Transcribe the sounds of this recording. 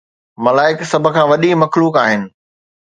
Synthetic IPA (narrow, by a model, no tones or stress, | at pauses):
mɐlaːɪksɐb̆ʱkʰãːʋɐɗimɐxluːkaːɦɪnɪ̆